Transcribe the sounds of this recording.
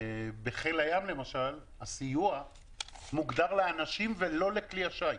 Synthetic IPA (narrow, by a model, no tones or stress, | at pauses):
beχelajamle̞maʃal | asijua | muɡd̪aʁleanaʃimve̞lo̞le̞kliaʃaj